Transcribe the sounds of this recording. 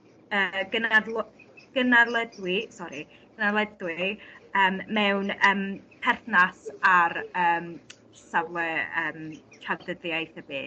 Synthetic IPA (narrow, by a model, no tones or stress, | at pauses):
əɡənadlˠɡ̥ənarlˠədwɪsɔɾi | ɡ̥ənalˠədwɪəːmːɛwnəːmpʰɛrθnasaɾəːm | savləəːmtʰadəðjajθəbḛː